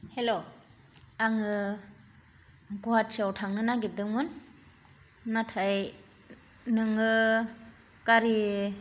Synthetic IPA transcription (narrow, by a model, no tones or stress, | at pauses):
helo | aŋɯ | ɡuɦat̚sawtʰaŋnɯnaɡidɯŋmɯn | atʰaj | nɯŋɯ | kaɾi